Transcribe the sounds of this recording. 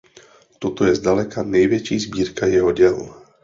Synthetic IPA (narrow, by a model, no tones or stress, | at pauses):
t̪ɔt̪ɔjɛzdalɛkanɛjʋɛt͡ʃiːzbiːɾkajɛɦɔɟɛl